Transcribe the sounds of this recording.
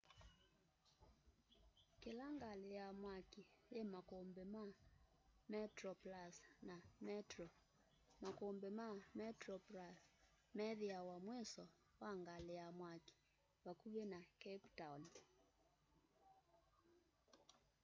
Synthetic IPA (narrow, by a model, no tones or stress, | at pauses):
kelaŋɡalejamwakijɛmakɔmbɛma | mɛtɾɔplasnamɛtɾɔ | makɔmbɛmamɛtɾɔplas | mɛðiawamwɛsɔ | waŋɡalɛjamwaki̥ | wakuβenakɛptawn